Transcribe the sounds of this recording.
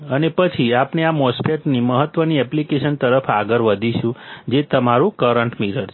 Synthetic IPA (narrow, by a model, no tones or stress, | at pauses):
ənepət͡ʃʰiapneamɔspʰeʈniməɦət̪ʋəniɛplikeʃənt̪əɾəfʰaɡəɾʋəd̪ʱiʃũd͡ʒet̪əmaɾũkəɾəɳʈmiɾəɾʰ